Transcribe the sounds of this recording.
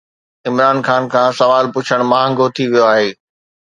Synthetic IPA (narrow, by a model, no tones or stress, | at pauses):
ɪmɾaːnxaːnkʰãːsɐʋaːlpʊt͡ɕʰəɽ̃mãːɦə̃ŋɡot̪ʰiʋijoaːɦeː